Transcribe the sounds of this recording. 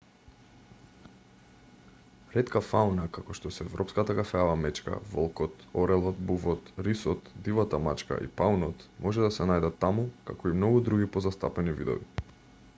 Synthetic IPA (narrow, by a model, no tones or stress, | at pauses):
ɾɛt̪kafawnakakɔʃt̪ɔsɛɛvɾʔɔpskat̪akafɛavamɛt͡ʃka̰vɔlˠkɔt̪ɔɾɛlˠɔt̪buvɔt̪ɾisɔt̪d̪ivat̪amat͡ʃka̰ʔḭpaunɔt̪mʔɔʒɛd̪asɛnajd̪at̪ːamukakɔimnɔɡud̪ɾuɡʲipɔzast̪a̰pɛnivḭd̪ɔ̰vi